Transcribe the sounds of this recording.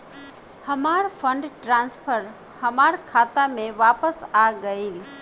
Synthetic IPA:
həmaɾpʰə̃ɳɖʈɾãːnspʰəɾ | həmaɾkʰaːt̪amẽʋaːpəsaɡəil

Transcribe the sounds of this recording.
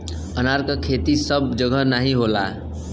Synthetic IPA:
ʌnaɾkakʰet̪isʌb̚d͡ʒʌɡʱʌnaɦĩɦola̰

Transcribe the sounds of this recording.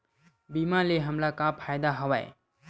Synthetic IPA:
bimaleɦəmlakapʰajd̪aɦʌwa̰j̰

